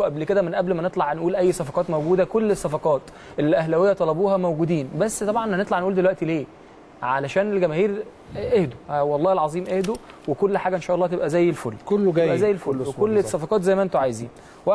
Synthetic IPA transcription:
ʔæblked̪æmenʔæblmænet̪ˤlɑʕnʔuːlʔæjːsɑfɑqɑːt̪mæwɡuːd̪ækolːesːɑfɑqɑːt̪ | ʔelʔæhlæwejːæt̪ˤɑlɑbuːɦɑmæwɡuːd̪iːnbæsːt̪ˤɑbʕɑnʔnhænet̪ˤlɑʕnʔuːld̪elwæʔt̪ileː | ʕalæʃæːnelɡæmæhiːɾ | ʔehd̪o̥wɑlˤːɑːhelʕɑzˤiːmʔehd̪u | wekolːħaːɡæʔenʃæʔɑlˤːɑːt̪ebʔæzæːjːelfolːkolːeʔæzæːjːelfolːwekolːesˤːæfɑqɑːt̪zæjːmæʔent̪oʕajezḭːn | wæ

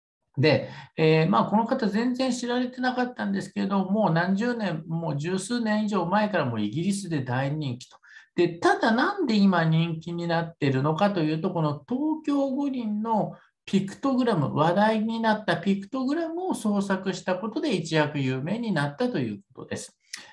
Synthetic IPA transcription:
d̪e̞eːmaːko̞no̞kat̪azẽ̞nd͡zẽ̞ɰ̃ɕiɾaɾe̞t̪e̞nakat̪ːãnd̪e̞sɨ̥ke̞ɾed̪o̞mo̞ːnãɲ̟d͡ʑɨːnẽ̞mmːo̞d͡ʑɨːsɨːnẽ̞ɰ̃iʑo̞ːmae̞kaɾamo̞iɡʲiɾʲis̬ɨd̪e̞d̪aiɲ̟ĩŋkʲi̥t̪o̥d̪̥e̞t̪ad̪anãnd̪e̞imaɲ̟ĩŋkʲiɲ̟inat̪ːe̞ɾɯ̟no̞kat̪o̞jɯ̟ːt̪o̞ko̞no̞t̪o̞ːkʲo̞ːɡo̞ɲʲĩnːo̞ | pʲikɯ̥t̪oɡɯ̟ɾamɯ̟̰βad̪aiɲ̟inat̪ːapʲikɯ̟̥t̪o̞ɡɯ̟ɾamɯ̟o̞so̞ːsakɯ̟ɕi̥t̪ako̞t̪o̞d̪e̞it͡ɕijakɯ̟jɯːme̞ːɲ̟inat̪ːat̪o̞jɯ̟̰ːk̚o̞̥t̪o̞̰d̪̥e̞sɨ̥

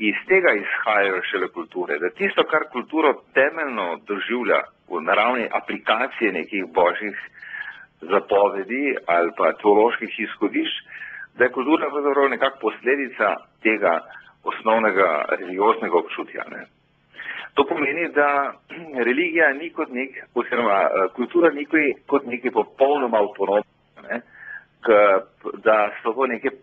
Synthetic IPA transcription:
ist̪eːɡaisxaːjajɔʃɛlɛkult̪uːɾɛd̪at̪ist̪ɔkaɾkult̪uːɾɔt̪ɛːmɛlnɔd̪ɔʒiwlja̰ | ṵnaɾawniʔaplikaːt̪sijɛnḛːkixbɔːʒjix | zapɔːʋɛd̪ialpat̪ɛɔloʃkixisxɔd̪iʃt͡ʃd̪ajɛkult̪uːɾapɾɐwzapɾɐwnɛkakpɔsleːd̪it̪sa̰t̪eːɡa | ɔsnɔwnɛɡa̰ɾɛliɡjoːznɛɡaɔpt͡ʃuːt̪ja̰nɛ̰ | t̪oːpɔmeːnid̪a | ɾɛliɡijanikɔt̪nekɔziɾɔmaəkult̪uːɾanikikɔt̪neːkɛpɔpɔwnɔmaːwt̪ɔnom | anɛ | kə | d̪asɔt̪oːneːkɛ

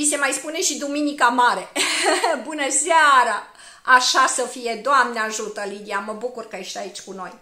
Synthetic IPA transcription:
vise̞majspune̞ʃid̪uminikamaɾe̞ | bunəseaɾa | aʃasəfije̞d̪oamnəaʒut̪əlid̪ijaməbukurkajeʃt̪ait͡ʃʲkuno̞̰j

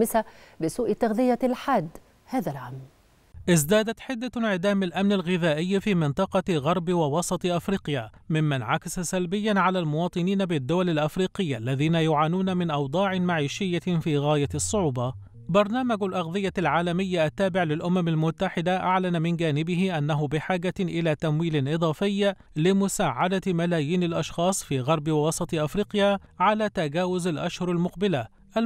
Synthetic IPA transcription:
ɪsabɪsuːʔt̪ːaɣðɪjalħaːd̪ | haːðalʕam | ʔɪzd̪aːd̪at̪ħɪd̪ːaʕɪd̪aːmɪlʔamnalɣɪðaːʔɪjːfiːmɪnt̪ˤɑqɑɣɑɾˤbwɑwɑsˤɑt̪ˤʔafɾiːqjaːmɪmːanʕakasasalbɪjːanʕalaːlmʊwɑːt̪ˤɨniːnabɪd̪ːʊwalɪlʔafɾiːqɪjːaʔlːaðiːnajʊʕaːnuːnamɪnʔɑwd̪ˤɑːʕɪmaʕiːʃɪjːafiːɣaːjasˤːʊʕuːbɑ | bɑɾˤnaːmaɡlʔɑɣðˤɨjːalʕaːlamɪjːaʔat̪ːaːbɪʕlɪlʔʊmamalmʊt̪ːaħɪd̪aʔaʕlanamɪnd͡ʒaːnɪbɪɦɪʔanːaɦʊbɪħaːɡaʔɪlaːt̪amwiːlɪnʔɨd̪ˤɑːfɪjː | lɪmʊsaːʕad̪amalaːjiːnalʔɑʃxɑːsˤfiːɣɑɾˤbɪwwɑsˤɑt̪ˤʔafɾiːqjaʕalaːt̪aɡaːwʊzalʔaʃhʊɾˤalmʊqbɪla | ʔa

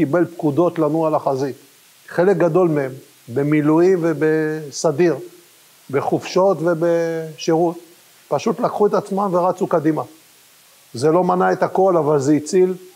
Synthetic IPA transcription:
kibe̞lpkud̪o̞t̪lanualaχazi | χe̞lek̚ɡad̪o̞lmeem | be̞miluimvebe̞sad̪iʁ | be̞χufʃo̞t̪ve̞be̞ʃeʁut̪̚ | paʃut̪lakχue̞t̪at͡smamveʁat͡sukad̪ima | ze̞lo̞manae̞t̪ako̞lavalzeit͡sil

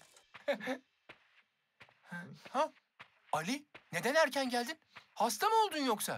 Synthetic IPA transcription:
ha | alʲine̞d̪enæɾcʰænɟælʲd̪inhast̪ʰamo̞lˠd̪unjoksa̰

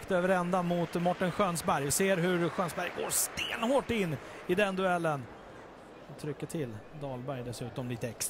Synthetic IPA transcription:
kt̪øːvəɾɛnd̪amʊt̪mɔʈːənɧøːnsbæɾjvɪseːɾɦɵɾɧøːnsbæɾjɡo̰ːɾst̪eːnhoːʈːɪnː | ɪd̪ɛnd̪ɵɛlːən | ɔt̪ʰɾʏkːəʈʰɪlːd̪ɑːlbæɾjd̪ɛsʉ̟ːt̪ɔmliːt̪əɛks

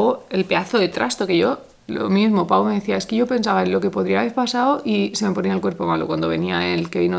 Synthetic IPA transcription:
oe̞lpe̞aθo̞ðe̞t̪ɾʔa̰st̪o̞ke̞ʝo̞ | lo̰mizmo̞paome̞ðeθiae̞skeʝo̞pe̞ns̬aβaenlo̞ke̞poðɾiaβeɾpasaoʔise̞me̞po̞niaelkwe̞ɾpo̞malo̞kwand̪o̞βe̞niaelkeβino

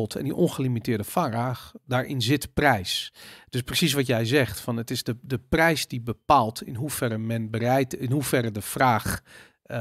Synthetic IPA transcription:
lˠtʰɛ̰ndiʔɔnxəlimitɪːɹdəfaraːxdaːɹʔɪnzɪtəprɛjsd̥øsprəsis̬ʋɔtjɛjzɛxtfɑnətɪzdədəprɛjsdibəpaːlˠtʰɪnɦufɛɾəmɛnbərɛjtɪnɦufɛrədəfraːx

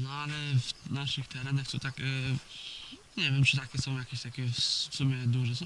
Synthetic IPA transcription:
nɔalɛfnaʂɨxt̪ɛɾɛnaxt̪ɔt̪akɛ | ɲevʲɛmt͡ʂɨt̪akʲɛsɔ̃w̃jakʲeɕt̪akʲɛfsfsumʲjɛd̪uʐɛs̬ɔ̃w̃

